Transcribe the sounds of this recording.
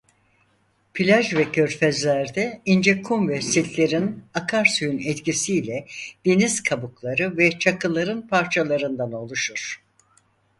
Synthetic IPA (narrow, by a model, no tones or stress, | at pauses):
pʰilʲaʒvɛcʰøɾfɛzlʲæɾd̪ɛind͡ʒekʰumvɛsit̪lʲe̞ɾinakʰaɾsyjynɛt̪cisiːlʲɛd̪̥e̞niz̥kʰabuklˠaɾɯvɛt͡ʃʰakɯlˠaɾɯnpʰaɾt͡ʃʰalˠaɾɯnd̪ano̞lˠuʃuɾ̥